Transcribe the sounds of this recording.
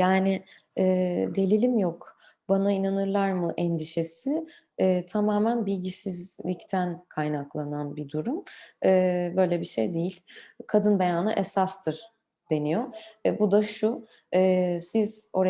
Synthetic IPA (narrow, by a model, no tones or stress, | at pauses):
jaːnɪ | ɛːd̪e̞lʲilʲimjok | banainanɯɾlˠaɾmɯʔɛnd̪iʃe̞sɪː | t̪ʰamaːmænbilʲɟisizlʲict̪ʰænkʰajnaklˠananbid̪uɾumɛːbø̞jlʲɛbiʃe̞̰jd̪ejilʲkʰad̪ɯnbejaːnɯ̰ʔesast̪ʰɯɾ̥ | d̪̥e̞nijoɛbud̪aʃu | ɛːsiz̥o̞ɾ